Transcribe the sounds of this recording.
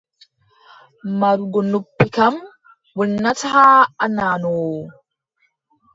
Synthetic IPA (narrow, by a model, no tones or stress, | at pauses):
maɾuɡɔnupːikam | wənːataɦaanano